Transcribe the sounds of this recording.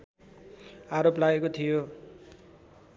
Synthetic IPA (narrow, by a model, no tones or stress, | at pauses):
aɾoplaɡekot̪ʰijo